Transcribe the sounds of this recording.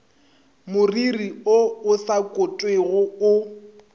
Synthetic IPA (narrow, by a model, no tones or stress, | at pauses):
mʊririoʊsakʼʊtʼweɣʊʊ